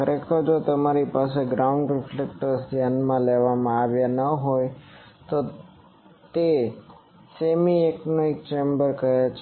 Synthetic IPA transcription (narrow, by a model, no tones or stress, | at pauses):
kəɾʔekʰəɾd͡ʒot̪əmaɾipas̬eɡɾaʊɳɖɾɪflek̚ʈəɾsd̪ʱjanmãleʋamãaʋjanəɦojt̪o | t̪e | semieknoik̚t͡ʃembəɾkəɦet͡ʃʰ